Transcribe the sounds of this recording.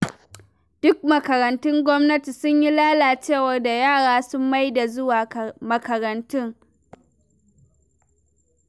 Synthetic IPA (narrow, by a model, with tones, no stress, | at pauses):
d̥ʊ˦k̚mɐ˨kɐ˨ɾɐ˨ntʊ˦ŋɡʷɔ˦mnɐ˦ti˨sʊ˦ɲji˦laː˦laː˨t͡ʃeː˦˨wɐ˦rda˨jaː˦˨ɽaː˦sʊ˦mːa˦jda˨zʊ˦waː˨mɐ˨kɐ˨ɾɐ˨ntʊ˦ŋ